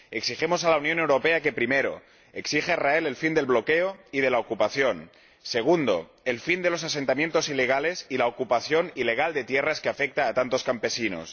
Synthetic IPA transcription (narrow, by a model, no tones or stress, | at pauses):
e̞ksiximosalaunjõne̞wɾo̞peake̞pɾimeɾo̰ | eksixeraele̞lfind̪e̞lβlo̞keoið̞e̞laokupaθjo̞n | se̞ɣ̞und̪o̰ | elfind̪e̞lo̞sase̞nt̪amje̞nt̪o̞sile̞ɣ̞ale̞silaokupaθjo̞nile̞ɣ̞ald̪e̞t̪jeraskeafek̚t̪aːt̪ant̪o̞skampe̞sino̰s